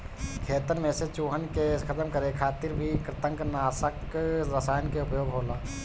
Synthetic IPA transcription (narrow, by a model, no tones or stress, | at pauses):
kʰeːt̪əɾmẽset͡ʃoːɦənkekʰət̪əmkəɾekʰaːt̪ɪɾbʱikɾɪt̪ə̃ŋknaːsəkɾəsaːjnkeʊpjoːɡɦoːlaː